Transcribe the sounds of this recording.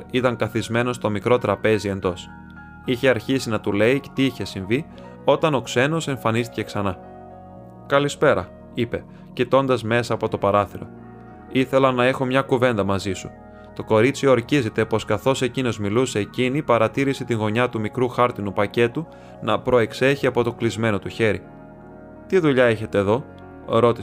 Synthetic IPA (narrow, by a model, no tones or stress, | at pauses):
it̪ɐŋkɐθizme̞no̞st̪o̞mikɾo̞t̪ɾɐpe̞zie̞nd̪o̞s | içe̞ɐɾçisinɐt̪ule̞it̪iiçe̞siɱvi | o̞t̪ɐno̞kse̞no̞se̞ɱfɐnist̪i̥ce̞ksɐnɐ | kɐlispe̞ɾɐ | ipe̞ | cit̪o̞nd̪ɐzme̞sɐːpo̞t̪o̞pɐɾɐθiɾo̞̰ | iθe̞lɐnɐe̞xo̞mɲɐkuve̞nd̪ɐmɐzisu̥̰ | t̪o̞ko̞ɾit͡siooɾcize̞t̪e̞po̞skɐθo̞se̞cino̞zmiluse̞ːcinipɐɾɐt̪iɾiset̪iŋɣo̞ɲɐt̪umikɾuxɐɾt̪inupɐce̞t̪u | nɐpɾo̞e̞kse̞çiɐpot̪o̞klizme̞no̞t̪uçe̞ɾi | t̪iðuʎɐe̞çe̞t̪e̞ːðo̞ | ɾo̞t̪i